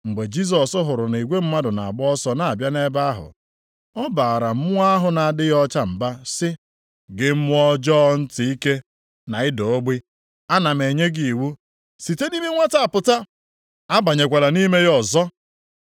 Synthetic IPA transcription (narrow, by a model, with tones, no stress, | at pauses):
ŋ͡m̩˨ɡ͡be˨d͡ʒi˦s̬ɔ˨sʊ˦ɦʊ˨ɾʊ˨n˨i˨ɡʷe˦m̩˦ma˦dʊ˨na̰˨a˨ɡ͡bɔ˦sɔ˦na˨a˨bja˦ne˦ba˦a˦ɦʊ̰˨ | ɔ˦ba˨ɾa˨m̩˦mʊ˦a˦a˦ɦʊ˨na˨dɪ˦jɔ˦t͡ʃa˦m̩˨ba˦sɪ˦ | ɡɪ˦m̩˦m˦ɔ˦d͡ʒɔ˦n̩˦tɪ˨i˦ke˦ | na˨ɪ˦do˨˦ɡ͡bi˦ | a˦na˨m˨e˨ɲe˦ɡi˨wu˦ | si˨te˦ni˦me˦ŋʷa˦ta˨a˨pʊ˨ta˦ | a˦ba˨ɲe˨kʷa˨la˨ni˦me˦ɣɔ˨zɔ˦